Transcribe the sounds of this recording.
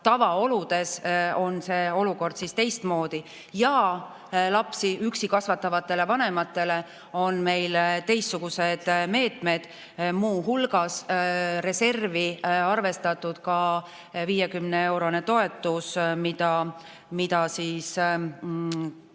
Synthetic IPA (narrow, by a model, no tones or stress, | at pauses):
t̪ɑvɑo̞lud̪̥e̞so̞nse̞ːo̞luko̞rd̪̥sist̪e̞jst̪mo̞ːd̪̥i | jɑ | lɑpsiyksikɑsvɑt̪ːˑɑvɑt̪ːˑe̞le̞vɑne̞mɑt̪ːˑe̞le̞ | o̞nme̞jlt̪e̞jst̪ːuɡ̥use̞d̪̥me̞ːt̪me̞d̪̥ | muːɦulɡ̥ɑsre̞se̞rviɑrve̞st̪ɑt̪ːˑud̪̥kɑ | viːjekymnee̞wɾo̞ne̞t̪o̞e̞t̪ːˑusmid̪ɑ | mid̪ɑsiːs